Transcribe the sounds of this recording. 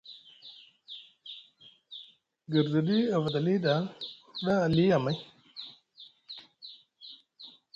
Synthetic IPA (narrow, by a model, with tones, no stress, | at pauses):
ɡə˨ɾzə˨di˦a˨vda˨li˦da˨˦lɗa˦a˨li˦ja˨ma˦j